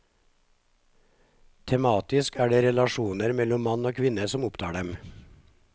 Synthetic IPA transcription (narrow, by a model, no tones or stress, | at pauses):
t̪ʰɛmɑːt̪ɪskæːɖeːɾɛlɑʃuːnəɾmɛlɔmmɑnoːkʰʋɪnəsɔmʊpt̪ʰɑ̰ːɖɛm